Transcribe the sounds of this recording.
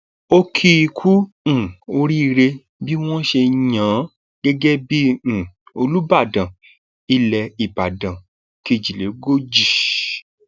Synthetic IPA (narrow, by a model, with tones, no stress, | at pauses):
o˦kʰi˦i˧kʰũ˦˨ | o˧ɾi˦˧ɾe˧ | bi˦w̃ɔ̃˦ʃe˧ɲã˨˦ | ɡɛ˦ɡɛ˦bĩ˦˨o˧lu˦ba˦˨dã˨ | i˧lɛ˧i˨ba˨dã˨ | ki˧d͡ʒi˨le˨˦ɡo˦d͡ʒi˦˨